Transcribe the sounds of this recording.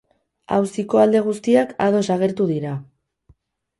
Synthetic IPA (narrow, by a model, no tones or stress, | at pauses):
a̰wsiko̞ald̪e̞ɣ̞ust̪iakað̞o̞saɣ̞e̞ɾt̪uðiɾa